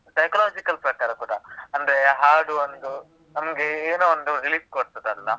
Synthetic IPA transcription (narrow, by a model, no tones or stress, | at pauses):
sɐjkɐlaːd͡ʒikɐlpɾɐkaːɾɐkuːɽɐɐnd̪ɐɾeɦaːɾɖuɐnd̪u | nɐmɐɡeeːnuond̪uɾiliːskoɽt̪ɐd̪eɐnla